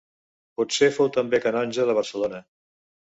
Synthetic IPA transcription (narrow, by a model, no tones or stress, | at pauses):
pɔt̪sefowt̪əmbekənɔnʲʒəðəβ̞əɾsəlonə